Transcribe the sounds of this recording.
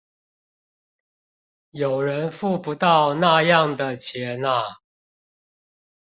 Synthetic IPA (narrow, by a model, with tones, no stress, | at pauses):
jo˨˩ʊɻə˨˦nfu˥˨pu˨˦t̪ɑ˥˨ʊna˥˧jɑ˥˨ŋd̪ə˨t͡ɕʰjɛ˨˦na˦˨